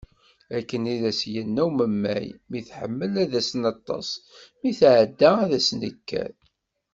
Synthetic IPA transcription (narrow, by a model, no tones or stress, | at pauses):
ækːəniðæsjənːæwməmːæ̰jmiθħəmːəlæðæsnɑt̪ˤːɑ̰smiθʕəd̪ːaæðæsnikːæ̰